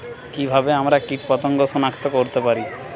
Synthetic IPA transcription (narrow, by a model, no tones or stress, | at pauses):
kibʱabeamɾakiʈpɔt̪oŋɡoʃonakt̪okoɾt̪epaɾi